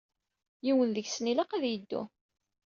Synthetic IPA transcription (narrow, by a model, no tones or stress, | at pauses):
jiwənðəçsnilaqæðjəd̪ːṵ